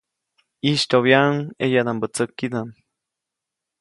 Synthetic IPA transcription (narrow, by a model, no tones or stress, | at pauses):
iʃt̪oβjaŋejad̪ambət͡səkːid̪aŋ